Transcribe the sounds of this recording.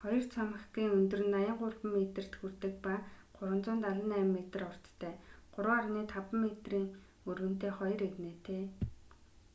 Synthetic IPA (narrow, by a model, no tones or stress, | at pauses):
χɔjɞ̆rt͡sʰɔmə̆χɡiːŋɵnt̪ɵ̆rɘ̆nːajə̆ɴɢʊrpə̆mːet̪ɘ̆r̥t̪xur̥t̪ɘ̆k̚paɢʊɾwə̆nt͡sʊːnt̪aɮə̆næːmːet̪ə̆rɔr̥t͡st̪ʰæːɢ̥ʊɾwʊːarniːt̪ʰapə̆mːet̪riːŋ | ɵrwɘ̆n̥t̪eːχɔj̆reɣneːt̪ʰeː